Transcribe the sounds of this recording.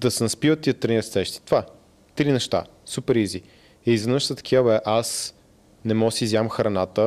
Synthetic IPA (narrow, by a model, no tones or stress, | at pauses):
d̪ɐsɛnɐspivət̪ːiət̪ɾiniɾɐst̪ɛʃt̪i̥t̪va | t̪ɾinɛʃt̪a̰ | supɛɾizi | ɛizvɛnəʃt̪ət̪ɐ̥kʲʰavəɛʔas | nɛmɔsizjamxɾɐnat̪ə